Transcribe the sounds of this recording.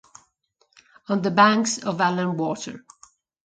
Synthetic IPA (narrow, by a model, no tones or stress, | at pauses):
ə̃nðəbæ̃ŋksɔvælə̃nwɔtə̰˞